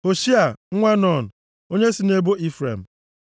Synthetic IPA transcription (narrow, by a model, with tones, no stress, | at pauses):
ho˨ʃi˦a˨ŋ̩˦ŋʷe˦nɔ˦˨n̩˨ | o˦ɲe˦si˨ne˦bo˦i˦fɾḛ˨m̩˨